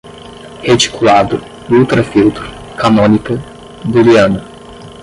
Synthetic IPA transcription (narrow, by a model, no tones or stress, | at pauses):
het͡ʃi̥kulad̪ʊ | ut̪ɾɐfiwt̪ɾʊ | kanõnikɐ | d̪uliɐ̃nɐ